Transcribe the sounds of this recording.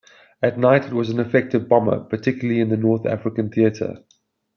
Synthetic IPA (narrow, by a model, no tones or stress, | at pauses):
ətnaɪtɪt̚wɒzə̃nəfɛk̚tɪvbɑmə̰pʰətʰɪkjʊl̩əliɪ̃nðənɔːˑθæ̰fɹɪkə̃nθiətʰə̰